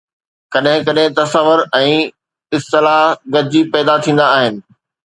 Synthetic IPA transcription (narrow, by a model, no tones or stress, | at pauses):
kɐɗɦɪ̃kɐɗɦɪ̃t̪ɐsəʋʊɾɛ̃ː | ɪst̪ɪlaɦɡɐd͡ʑipɛːd̪at̪ʰĩːn̆d̪aːɦɪnɪ̆